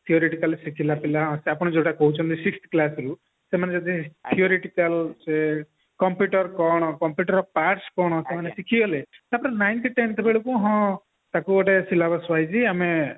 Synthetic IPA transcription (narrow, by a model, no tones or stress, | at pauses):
t̪ʰiɔɾeʈikalsikʰilapilaɦɔ̃seapɽ̃ɔd͡ʒoʈakɔɦut͡ʃʰɔnt̪ʰisikst̪ʰklasɾu | semaned͡ʒɔd̪ʱitt̪ʰiɔɾeʈikəlse | kɔmpjuʈɔɾkɔɽ̃ɔkɔmpjuʈɔɾɔpaʈskɔɽ̃ɔsemanesikʰiɔlet̪apɔɾenajnʈiʈent̪ʰbeɭukũɦɔ̃ | t̪akuɔʈesilabasʋajd͡ʒiame